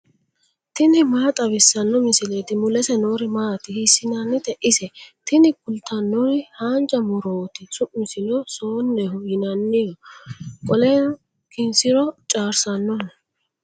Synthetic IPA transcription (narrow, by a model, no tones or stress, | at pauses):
t̪ɪnɪmaːt̪ʼɐbɪsːɐnːɔmɪsɪlet̪ɪmʊlɛsɛnoːɾɪmaːt̪ɪhɪsːɪnɐnːɪt̪ɛʔɪsɛt̪ɪnɪkʊlt̪ʰːɐnːɔɾɪhaːnt͡ʃʼɐmʊɾoːt̪ɪsʊʔmɪsɪnɔsoːnːɛhʊjɪnɐnːɪjɔkʼɔlɛ | kɪnsɪɾɔt͡ʃʼaːɾsɐnːɔ